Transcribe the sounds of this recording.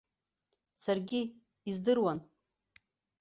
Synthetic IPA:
sarɡʲiː | zdɨrwan

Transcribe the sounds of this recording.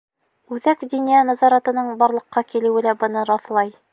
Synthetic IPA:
ʉðækd̪injænɑzɑɾɑt̪ɤ̆nɤɴbɑɾlˠɤ̆qːɑkilɘ̆wɘlæbɤ̆nɤɾɑθlˠɑj

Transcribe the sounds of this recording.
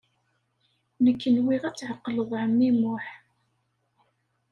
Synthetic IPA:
nəkːənwiʁæt͡sːʕəqːləðˤʕəmːimʊħ

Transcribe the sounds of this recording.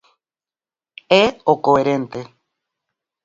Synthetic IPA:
eokoeɾent̪e

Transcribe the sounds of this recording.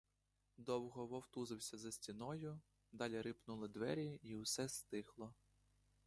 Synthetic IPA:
d̪ɔwɦɔʋɔwt̪uzɪwsʲɐzɐsʲtʲinɔjʊ | d̪ɑlʲiɾɪpnulˠɪd̪ʋɛɾʲiiwsɛst̪ɪxlˠɔ

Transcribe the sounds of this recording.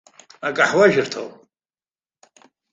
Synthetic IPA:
akʼaħwaʒɪrtʰo̰wpʼ

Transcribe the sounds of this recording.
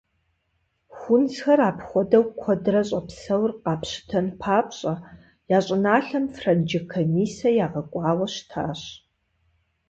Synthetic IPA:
xʷʊnzxɐraːpχʷɔdɐwkʷʰɔdrɐɕʼɐpsɐwrqɑːpɕɪ̥tʰɐnpʰaːpɕʼɐ | jaːɕʼɪnaːɬɐmfrɐnd͡ʒɪkʰomiːsɐjaːʁɐkʷʼɑːwɐɕtʰaːɕ

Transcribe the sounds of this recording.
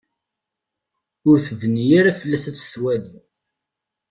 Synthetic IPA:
ʊɾθəvənjiɾæfəlːæsæ̥ːθwæli

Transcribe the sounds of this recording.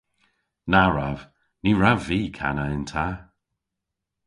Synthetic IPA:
naɹav̥ | niɹaviːkʰa̰naɪntʰa

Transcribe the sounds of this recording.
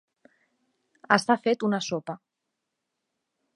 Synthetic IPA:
əst̪afet̪unəsopə

